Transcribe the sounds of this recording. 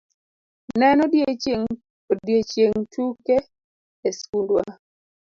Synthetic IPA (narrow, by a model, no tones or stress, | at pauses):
nɛnɔde | djet͡ʃjeŋtʰuke | eskundwa